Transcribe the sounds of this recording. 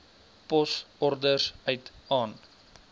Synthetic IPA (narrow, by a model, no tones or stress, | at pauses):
pɔsɔrdərsœɥtɑːn